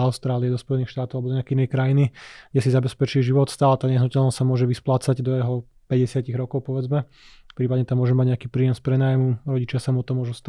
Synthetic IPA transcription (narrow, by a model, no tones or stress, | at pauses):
aʊst̪ɾaːliɛd̪ɔspɔjɛnixʃt̪aːt̪ɔalbd̪ɔɲɛakɛinɛjkɾajiniɡɟɛsizabɛspɛt͡ʃiːʒiʋɔt̪st̪aːlat̪aːɲɛɦnucɛlnɔsʲsamʊɔʒɛʋisplaːt͡saɟd̪ɔjɛɦɔ | pɛɟɛsɪaciɣɾɔkɔʊpɔʋɛd͡zmɛ | fpɾiːpadɲɛt̪amːʊɔʒɛmaɟɲɛakiːpɾiːjɛmspɾɛnaːjmuɾɔɟit͡ʃɪasamuɔt̪ɔmːʊɔʒust̪